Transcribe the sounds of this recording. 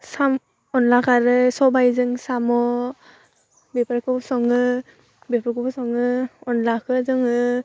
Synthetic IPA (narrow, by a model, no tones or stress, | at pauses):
sam | ɔnlakʰaɾɯsɔbajzɯŋsamɔ | bepʰaɾkʰɔpsɔŋɯ | bepʰaɾkʰɔpsɔŋɯɔnlakʰɯzɯŋɯ